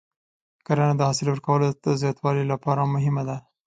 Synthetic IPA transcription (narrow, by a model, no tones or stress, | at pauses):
kaɾanad̪əhɑsɪlwəɾkawəlod̪̥əzjɑt̪wɑlilapɑɾamʊɦɪmad̪a